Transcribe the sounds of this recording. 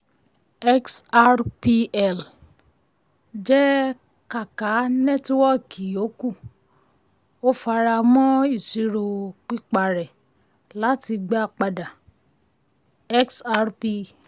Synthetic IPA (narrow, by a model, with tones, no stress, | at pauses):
ɛ˦ksa˧ɾpi˧ɛ˨l | d͡ʒɛ˦ | ka˨ka˨˦nɛ̃˦˨ti˦wɔ˦˨kʰi˨o˨˦ku˦˨ | o˦fa˧ɾa˧mɔ̃˦i˦˨si˨˧ɾo˨k͡pi˦k͡pa˨ɾɛ˨ | la˨˦ti˧ɡ͡ba˦˨k͡pa˧da˨ | ɛ˦ksa˧ɾpi˧